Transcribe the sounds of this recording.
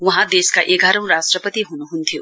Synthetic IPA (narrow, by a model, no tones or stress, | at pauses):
wʌɦãd̪eskaʔeɡʱaɾʌ̃w̃ɾasʈrʌpʌt̪iɦunuɦunt̪ʰijo